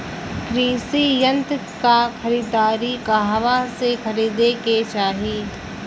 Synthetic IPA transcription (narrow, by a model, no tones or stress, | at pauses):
kɾiːsijə̃nt̪kaxʰɐɾiːd̪aːɾikaɦʋasexɐɾiːd̪eket͡ʃaːɦiː